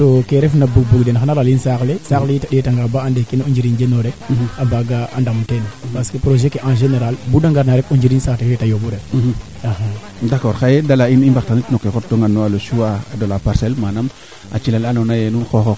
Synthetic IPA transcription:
tokeɾefnabuɡ̚buɡdenxanaɾalinsaklesaklejitaɗetaŋɡabaandekinũd͡ʒiɾind͡ʒenoɾeabaɡaandamtenapaskepɾoʒekeʔãʒeneɾalbudaŋɡaɾnaɾekund͡ʒiɾinsaːtefetajobuɾe | aha | dakɔɾxajedalainimbaktanitnokexot̚doŋanːoaloʃuwaadolapaɾsɛlmanam | a̰t͡ʃilalanonajenunxoxo

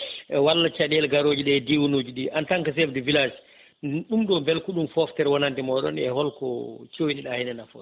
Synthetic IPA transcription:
ɛwalːat͡ʃaɗɛlɡaɾoːd͡ʒiɗɛdiwunoːd͡ʒuɗiʔantaŋkas̬ɛfdɛvilas | ɗumɗɔmbɛlkuɗumfɔftɛɾwɔnantɛmɔɗɔ̰nɛ̰hɔlkɔt͡ʃowiniɗahɛnɛnafɔ̰

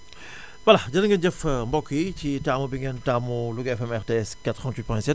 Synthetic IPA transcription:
wɐlaɟɐnɐŋɡɐnɟəfmbɔkːicitamubiŋɡɛntamuluɡɛfɛmɛɾteɛskatɾɔntwit̚pɔjnsɛt̚

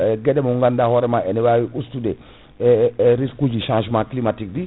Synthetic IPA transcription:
ɡɛdɛmuŋɡandahɔɾɛmaɛnɛwawiustudɛ | ɾiskud͡ʒiʃãnʒmãklimatikdi

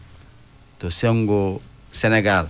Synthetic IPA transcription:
toseŋɡo | seneɡal

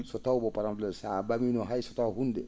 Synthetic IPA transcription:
sɔtawbɔpaɾamlɛsabaminɔɦajsɔtawɦundɛ

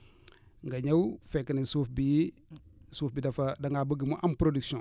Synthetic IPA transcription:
ŋɡɐɲɐwfekːɐnisufbi | suːfbidɐfɐdɐŋɡabəɡimuʔɐmpɾodiksõ

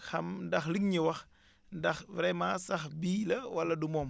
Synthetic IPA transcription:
xɐmdɐxliŋɲiwɐx | ndɐxvɾɛmaːsɐxbiːlɐwɐlːɐdumɔːm

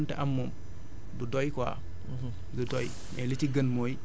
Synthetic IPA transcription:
ntɛʔɐmːom | dudɔjkwa̰ | ɡudɔj | mɛ̰litiɡənmoːj

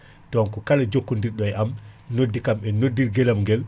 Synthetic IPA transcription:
tɔnkɔkalad͡ʒokːundiɾɗɔjɛamnodːikamɛnodːiɾɡɛlamŋɡɛl

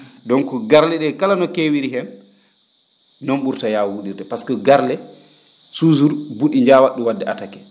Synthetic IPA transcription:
dɔŋkɔɡaɾlɛɗɛkalanɔkewiɾiɦɛm | nɔmɓuɾtajawwuɗiɾdɛpaskɔɡaɾlɛ | suzuɾbuɗiɲd͡ʒaːwaɗːuwadːɛʔatakɛ̥

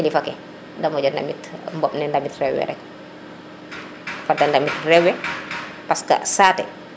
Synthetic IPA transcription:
ilifakɛ | dɐmɔɟɔnda̰mitmbɔpnɛndamitrɛwɛ̰ɾɛ̰k̚ | fadandɐmitrɛwɛ | paskɐ̰saːtɛ̰

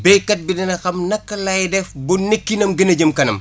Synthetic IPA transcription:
bɛjkːɐt̚binɛnɐxɐmnɐkːɐlɐjdɛfbunnːikːinɐmɡənɐɟɐmkɐnɐ̰m

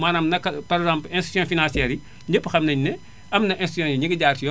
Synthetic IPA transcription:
maːnɐmnɐkpɐɾɛɡzãmplɛ̃nsti̥sjɔ̃finãnsiɛːɾi | ɲepːxɐmnɐɲnɛ | ɐmnɐʔɛ̃nstijɔ̃jiɲiɡɐɟaːrtijɔ

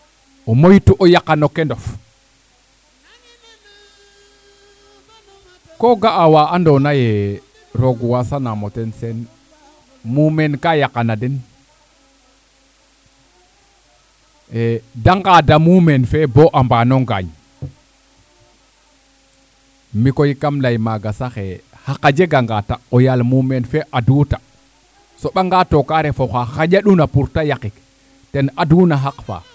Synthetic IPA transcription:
omojtuʔojakanokendof | koɡaʔawaandonaje | ɾoɡuwasanamotensen | mumenkajakanaden | edaŋɡadamumɛnfɛbɔʔambanɔŋɡa̰ɲ | mikojikamlajmaɡasaxɛ | hakad͡ʒɛɡaŋɡataʔɔjalmumɛnfɛʔaduta | sɔɓaŋɡatokaɾɛfɔxaxad͡ʒaɗunapuɾtajakik | tɛnadunaɦakfa̰

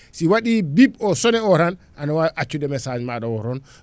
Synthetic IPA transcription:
siwaɗibibɔsɔnɛɔɾan | ʔanawaʔat͡ʃːudɛmɛsad͡ʒmaɗɔwɔɾɔn

